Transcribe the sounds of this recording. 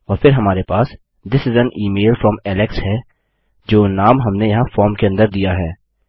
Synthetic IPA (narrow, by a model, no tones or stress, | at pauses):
ɔːɾpʰɪɾɦɐmaːɾepaːs | d̪ɪsɪzə̃niːmeːlfɾɔmɛːlɪkshɛː | d͡ʒoːnaːmɦɐmnejɐɦãfɔːɾmkeɐ̃nd̪əɾd̪ijaɦɛː